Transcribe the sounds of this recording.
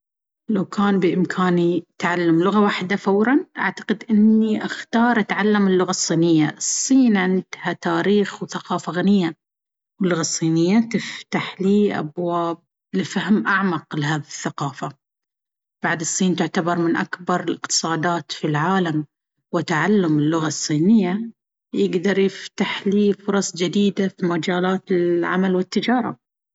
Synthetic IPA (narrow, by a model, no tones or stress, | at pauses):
lawkʰaːnbɪʔɪmkʰaːnit̪ʕalːamlʊɣawaːħd̪afawɾˤɑnʔa̰ʕt̪ḁqɪd̪ʔɪnːiʔaxt̪ɑːɾˤʔat̪ʕalːamɪlːʊɣasˤːiːnɪjːaʔsˤːiːnʕɪnd̪̥hat̪aːɾiːxwθaqɑːfaɣanɪjːa | wɪlːʊɣasˤːiːnɪjːat̪ɪft̪aħliːʔa̰bwaːb̚ | lɪfahmʔaʕmaqlɪɦaːðiθːaqɑːfa | b̥aʕd̪ɨsˤːiːnt̪ʊʕt̪abɑɾˤmɪnʔakbɑɾˤɪlɪqt̪ɨ̥sˤɑːd̪aːt̪filʕaːlam | wɪt̪aʕalːʊmɪlːʊɣasˤːiːnɪjːa | jɪɡd̪ɑɾˤjɪft̪aħliːfʊɾˤɑsˤd͡ʒɪd̪iːd̪afimad͡ʒaːlaːt̪ɪlʕa̰malwɪt̪ːɪd͡ʒɑːɾˤɑ̰